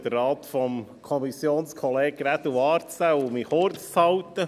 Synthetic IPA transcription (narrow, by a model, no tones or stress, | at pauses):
d̥̪ərːɑːt̪fɔmkʰɔmisjoːnskʰɔleːɡɾæt̪uɑːɾt͡sæwʊmiχoːɾtt͡shɑwt̪ə